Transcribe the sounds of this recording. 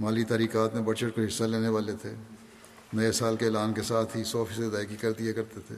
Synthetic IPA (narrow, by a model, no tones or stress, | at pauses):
maːlit̪aːɾiːkaːt̪mẽbɐɽt͡ʃəʈ̚koɦɪsːaleːneʋaːlet̪ʰeː | nɐesaːlkeːlaːnkesaːt̪ʰɦisɔːfiːsəd̪aːjkikɐɾd̪iɦekɐɾt̪et̪ʰḛː